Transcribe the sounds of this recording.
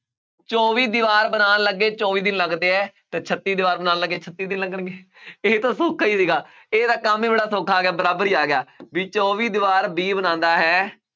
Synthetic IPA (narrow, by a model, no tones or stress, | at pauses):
t͡ʃɔːʋiːd̪ɪːʋaːɾbənaːnləɡːeːt͡ʃɔːʋiːd̪ɪnləɡd̪eːɦɛːt̪eːt͡ʃʰət̪ːiːd̪iːʋaːɾbənãːnləɡːeːt͡ʃʰət̪ːiːd̪ɪnləɡənɡeː | eːt̪õːsoːkʰaiːsiːɡaː | eːd̪aːkəmiːbəɽaːsõːkʰaːɡɪjaːbəɾaːbəɾiːaːɡɪjaːbiːt͡ʃɔːʋiːd̪iʋaːɾbiːbənãːnd̪aːɦɛː